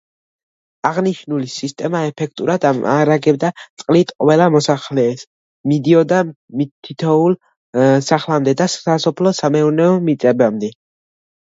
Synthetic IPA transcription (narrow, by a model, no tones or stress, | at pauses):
aʁniʃnulisist̪ʼɛmaɛpʰɛk̚ʰt̪ʼuɾʔad̪aa̰ɾaɡɛbd̪at̪sʼqʼlit̪ʼqʼvɛlamɔsaχlɛːs | mid̪iɔd̪a | mit̪ʰːit̪ʰɔulˠ | saχlamd̪ɛd̪asasɔpʰlɔsamɛuɾnɛɔmit̪sʼɛbamd̪ɛ